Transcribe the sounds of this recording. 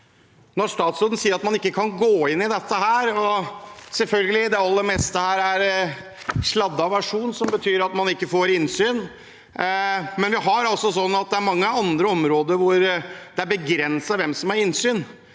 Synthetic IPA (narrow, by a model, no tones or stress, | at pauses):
nɔʂt̪ɑːt̪soːd̪n̩siːəɾɑt̪mɑnɪkːəkʰɑnɡoːɪnːɪd̪ɛt̪ːəɦæːɾɔsɛlfœlɡəlɪd̪ɛɑlːəɾmɛst̪əhæːɾæɾ | ʂlɑd̪ːɑʋæʂuːnsɔmbət̪ʰyːɾɑt̪mɑnɪkːəfoːɾɪnsyːn | mɛnʋɪɦɑɾɑlsɔsɔnːɑt̪̚d̪ɛæɾmɑŋːəɑnd̪ɾəɔmɾoːd̪əɾʋʊɾd̪̥ɛæɾbəɡɾɛnsəʋɛmsɔmæɾɪnsyːn